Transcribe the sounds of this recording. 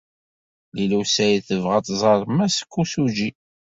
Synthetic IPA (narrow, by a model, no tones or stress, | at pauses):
lilusæjiθəvʁɑt̪ˤzˤɑɾˤmæsə̥kʰʷːusud͡ʒi